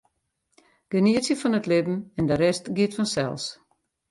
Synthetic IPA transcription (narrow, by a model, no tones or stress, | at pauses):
ɡ̥əniəsjəfɔnətlɪbm̩ɛndəɾɛstɡitfɔnsɛ̰lˠs